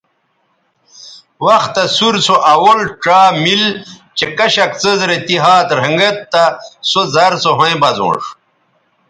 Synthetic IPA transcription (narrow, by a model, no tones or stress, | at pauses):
wɐxt̪ːɐsuɾsoʔɐwolʈ͡ʂaːmil | t͡ɕekɐɕɐkt͡səzɾet̪iɦaːt̪ɾ̤ɐŋɡɐt̪ːɐsozɐɾsoɦoẽbɐzõ̰ːʂ